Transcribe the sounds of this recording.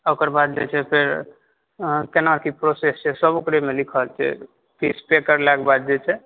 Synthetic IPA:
okəɾbad̪̚d͡ʒɛt͡ʃʰɛpʰeɾ | kenaɾkipɾosest͡ʃʰɛsəbokɾemelikʰəlt͡ʃʰɛ̰ | pʰispekəɾlɛkebad̪̚d͡ʒɛt͡ʃʰɛ

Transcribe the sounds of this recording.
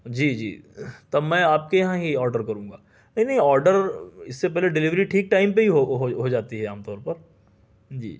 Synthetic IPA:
d͡ʒiːd͡ʒḭːt̪ɐmɛ̃ːaːp̚kejɐɦãɦiɔːɾɖəɾkɐɾũːŋɡaː | nɐɦĩnɐɦĩɔːɾɖəɾɪsːepɛɦleɖɪlɪʋɾiʈʰiːk̚ʈaːɪmpeɦiɦoɦoɦod͡ʒaːt̪iɦɛaːmt̪ɔːɾpɐɾ | d͡ʒḭː

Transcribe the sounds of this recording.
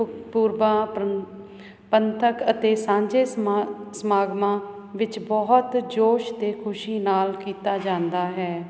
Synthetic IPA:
puːɾbãː | pənt̪ʰəkət̪eːsãːd͡ʒeːsəmaːɡmãː | ʋɪt͡ʃbɔɦt̪d͡ʒoːʃt̪eːkʰʊʃiːnaːlkiːt̪aːd͡ʒãːnd̪aːɦɛː

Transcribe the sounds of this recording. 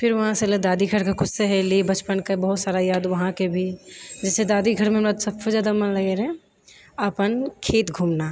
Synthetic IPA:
fɪɾʋɐɦãseləd̪aːd̪iɡʰʱɐɾkakʊseɦɛlibɐt͡ʃpənkabɐɦʊt̪saːɾajaːd̪ʋɐɦãkebʱid͡ʒɛːsed̪aːd̪iɡʱɐɾmẽɾad̪sɐbsed͡ʒaːd̪amɐnlɐɡeːɾɛ̃ | ɐpənkʰeːt̪ɡʱuːmnaː

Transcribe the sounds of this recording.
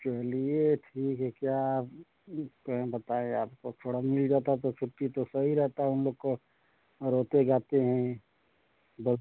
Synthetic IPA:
t͡ʃɛɦlieʈʰiːkɦɛkja | kəɦbət̪aẽaːpkot̪ʰoɽamɪld͡ʒaːt̪at̪ot͡ʃʰʊʈːit̪osəɦiɾɛɦt̪aɦɛʊnloːɡ̚ko | ɾoːt̪eɡaːt̪eɦɛ̃ | bə

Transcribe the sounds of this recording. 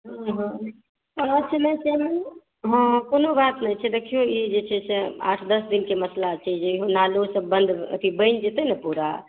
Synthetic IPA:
ɦə̃ɦãn | əətːʃʰəmɛ̃t͡ʃemən | ɦə̃konobat̪nait͡ʃʰɛd̪ekʰijũid͡ʒet͡ʃʰɛsɛa̰ʈʰd̪əsd̪inkeməslat͡ʃʰəd͡ʒeɦonalusə̃bənd̪ə̰t̪ʰibəɪnd͡ʒet̪ənɛpuɾa̰

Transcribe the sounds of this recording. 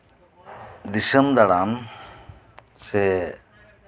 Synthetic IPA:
d̪isɐmd̪ɐɽaːm | se

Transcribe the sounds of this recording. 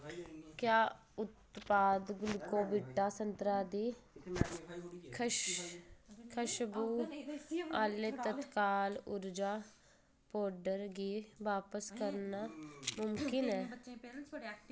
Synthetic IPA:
kjaː | ʊt̪paːd̪ɡʊlkoːbɪʈːaːsənt̪ɾaːd̪iː | kʰʃ | kʰəʃbuː | aːleːtt̪ət̪kaːlʊɾd͡ʒaː | pɔːɾɖəɾɡiːʋaːpəskəɾnaːmʊmkɪnɛː

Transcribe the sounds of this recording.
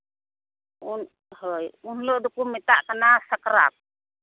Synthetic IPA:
un | hɔjunlɔʔdukumɛt̪aʔkənasakəɾa̰p̚

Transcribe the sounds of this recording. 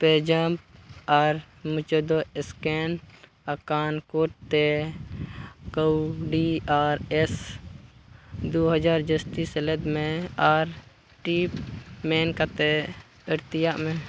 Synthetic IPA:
ped͡ʒəmp̚aɾ | mut͡ʃəd̪oɪsken | əkaːnkoʈ̚t̪e | koɖiaːɾes | d̪oɦəd͡ʒaːɾd͡ʒəst̪iseled̪mẽaːɾ | ʈipmeːnkat̪e | əɾt̪ɪjaʔmẽ

